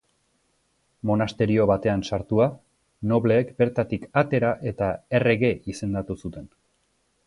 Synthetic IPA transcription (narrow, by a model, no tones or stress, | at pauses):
mo̞nast̪e̞ɾio̞βat̪e̞ansaɾt̪ua | no̞βle̞ːkbe̞ɾt̪at̪ikat̪e̞ɾaʔe̞t̪ae̞re̞ɣe̞ʔise̞nd̪at̪usut̪e̞n